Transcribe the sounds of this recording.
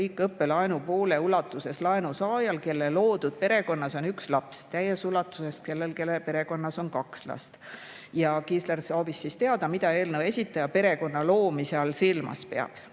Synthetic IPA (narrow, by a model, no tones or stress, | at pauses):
iːkːˑɤpːe̞lɑenupoːle̞ulɑt̪ːˑuse̞slɑenusɑːjɑlke̞lːelo̞ːd̪̥ud̪̥̚pe̞ɾe̞ko̞nːɑso̞nykslɑpst̪æjesulɑt̪ːˑuse̞st̪̚ke̞lːe̞lke̞lːepe̞ɾe̞ko̞nːɑso̞nkɑkslɑ̰st̪ | jɑkiːslersoːvisːiːst̪eɑd̪̥ɑmid̪ɑe̞ːlnəwe̞sʲit̪ːˑɑjɑpe̞ɾe̞ko̞nːɑlo̞ːmiseɑlsilmɑ̰spe̞ɑ̰b̥